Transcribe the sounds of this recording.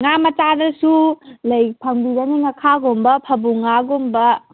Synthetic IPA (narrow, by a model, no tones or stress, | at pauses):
ŋamɐt͡ʃadɐsulɐjpʰɐŋbidɐniŋɐkʰaɡombɐpʰɐbuŋaɡombɐ